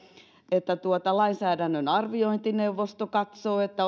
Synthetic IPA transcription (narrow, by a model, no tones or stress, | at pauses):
et̪ːæt̪uot̪ɑlɑinsæːdænːønɑrʋioint̪ineuʋːost̪okɑt̪soːet̪ːæ